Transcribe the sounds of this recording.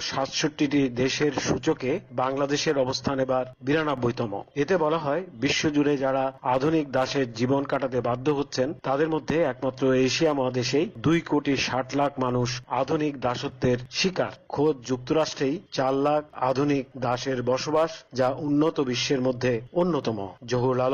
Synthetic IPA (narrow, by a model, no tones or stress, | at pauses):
ʃat̪ʃoʈːiʈid̪eʃeɾʃut͡ɕokebaŋlad̪eʃeɾɔbost̪ʰanebaɾbiɾanabːojt̪ɔmo̰et̪ebɔlaɦɔebiʃːod͡ʑuɾed͡ʑaɽaad̪ʱunik̚d̪aʃeɾd͡ʑibonkaʈat̪̬ebad̪ʱːoɦot̪ːɕʰent̪ad̪eɾmod̪ʱːeɛkmat̪ːɾoeʃiamɔɦad̪eʃejd̪ujkoʈiʃaʈlakʰmanuʃad̪ʱunikd̪aʃot̪ːeɾʃika̰ɾkʰod̪̚d͡ʑuk̚t̪oɾaʃʈɾejt͡ɕaɾlakʰa̰d̪ʱunik̚d̪aʃeɾbɔʃobaʃd͡ʑaʔunːot̪obiʃːeɾmod̪ʱːeonːot̪ɔmo̰d͡ʑoɦuɾlal